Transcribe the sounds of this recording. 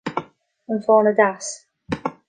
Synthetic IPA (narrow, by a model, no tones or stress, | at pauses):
ənfɔːnədas